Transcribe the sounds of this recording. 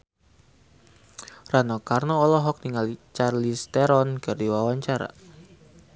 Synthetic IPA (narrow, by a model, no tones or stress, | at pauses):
ranɔkarnɔːlɔɦɔk̚niŋalt͡ʃarlist̪ɛɾɔnɡardiwawaɲt͡ʃaɾa̰